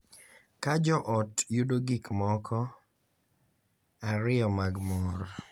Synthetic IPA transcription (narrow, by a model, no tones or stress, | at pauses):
kad͡ʒɔʔɔtjudoɡikmɔkʰɔ | aɾɪjɔmaɡmɔɾ